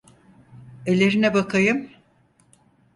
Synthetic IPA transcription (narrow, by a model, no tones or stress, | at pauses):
e̞lʲe̞ɾinɛbakʰajɯm